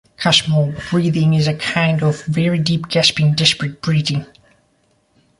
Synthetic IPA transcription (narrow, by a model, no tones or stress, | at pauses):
kʰasməl̩ˠbɹiðɪ̃ŋɪzɨkʰãɪ̃ndʌvvɛɹidip̚ɡ̥æspɪ̃ŋdɛspɹɨt̚b̥ɹiðɪ̃ŋ